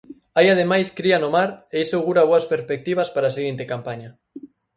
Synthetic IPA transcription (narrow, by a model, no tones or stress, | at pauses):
ajað̞emajskɾianomaɾeisoɣuɾɐβoɐspeɾspek̚t̪iβ̞ɐspaɾaːseɣint̪ekampaɲɐ